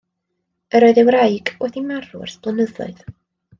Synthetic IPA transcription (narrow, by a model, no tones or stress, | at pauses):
əɾɔɨðɛwrajɡɔθimaruɛ̰rsb̥lˠənəðʊ̰ɨð